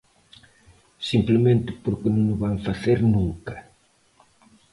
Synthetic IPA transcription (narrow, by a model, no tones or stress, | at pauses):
simplemẽnt̪ɪpoɾkɪnoŋnʊβaŋfaθeɾnũŋkɐ